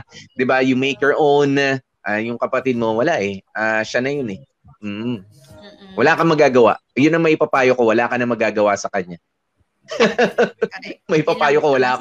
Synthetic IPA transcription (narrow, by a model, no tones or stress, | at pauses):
d̪ɪbajʊŋmejkjɔɹʔown | ʔajʊŋkɐpɐt̪ɪd̪̚mo̞wɐlaʔɛʔaːʃanɐjonɛ | m̩ː | wɐlaːkɐmɐɡaːɡɐwa̰ʔjʊnːɐŋmɐʔɪpɐpaːjokowɐlaːkɐnɐmɐɡaːɡɐwasɐkɐɲa | mɐʔɪpɐpaːjokowɐlaːk